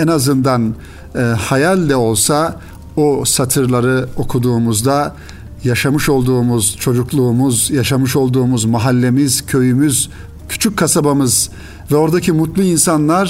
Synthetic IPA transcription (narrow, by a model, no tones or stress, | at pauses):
ɛnazɯnd̪anː | hajalʲd̪ɛo̞lˠsa | osat̪ʰɯɾlˠaɾɯo̞kʰud̪uːmuzd̪a | jaʃamɯʃo̞lˠd̪uːmuz̥t͡ʃʰo̞d͡ʒuklˠuːmuzjaʃamɯʃo̞lˠd̪uːmuzmaɦalʲːe̞miz̥cʰø̞jymyz | cʰy̥t͡ʃʰyc̚kʰːasabamɯz | vɛo̞ɾd̪acʰimut̪lˠuinsanlˠaɾ̥